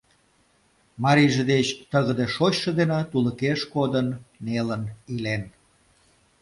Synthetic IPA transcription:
mɑɾiʒĕd̪et͡ɕt̪əɣəd̪eʃot͡ɕʃə̆d̪enɑt̪uləkeʃkod̪ənːelənilen

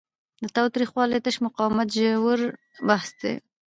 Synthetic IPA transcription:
d̪ət̪ɑwt̪ɾixwɑlet̪əʃmʊqɑwmat̪ʒəwəɾ | bahsd̪ḛ

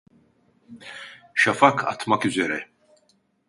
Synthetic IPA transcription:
ʃafakʰa̰t̪ʰmakyzeɾɛ

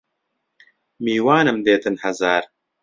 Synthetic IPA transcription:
miːwaːnɨmd̪eːt̪ɨnhɐzaːɾ

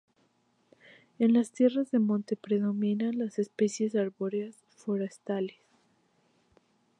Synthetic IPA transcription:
e̞nlast̪je̞razðe̞mõ̞nt̪e̞pɾe̞ðo̞mĩnanlasespe̞sje̞saɾβoɾeas | foɾest̪ales

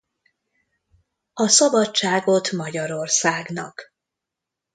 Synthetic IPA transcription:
ɒsɒbɒt͡ʃaːɡo̞t̪mɒɟɒɾo̞rsaːɡnɒk

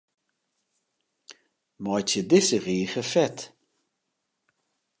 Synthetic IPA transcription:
mɔjt͡ʃəd̪ɪsəɣiːxəfɛt̪

